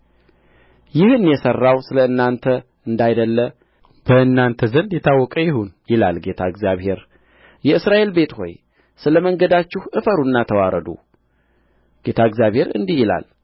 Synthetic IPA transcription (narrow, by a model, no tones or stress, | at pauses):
jɪhɨnːjɛsərːawsɨləɨnːant̪ʰə | ɨnd̪ajd̪əlːə | b̥əɨnːant̪ʰəzənd̪jɛt̪ʰawːɔkʼəjɪhunjɪla̰lɡe̞t̪ʰaɨɡzjaβhe̞ɾ | jɛɨsɾaʔe̞lbe̞t̪ho̞̰j | sɨləməŋɡəd̪at͡ʃːɪhʔɨfəɾunːat̪ʰəwaɾəd̪ṵ | ɡ̥e̞t̪ʰaɨɡzjaβhe̞ɾɨ̰nd̪ihjɪla̰l